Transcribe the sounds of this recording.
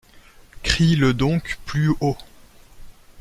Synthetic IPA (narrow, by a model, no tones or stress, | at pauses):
kχiləd̪ɔ̃kplyo